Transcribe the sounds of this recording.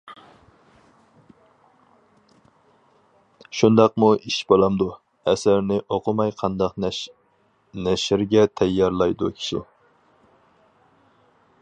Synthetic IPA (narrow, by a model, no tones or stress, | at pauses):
ʃund̪ɑqmuʔiʃbolˠɑmd̪u | ɛsæɾnɪʔoqʰʊmɑjqʰɑnd̪ɑq | nɛʃɪɾɡʲɛt̪ʰɛjːɑɾlˠɑjd̪ṵkʲʰi̥ʃḭ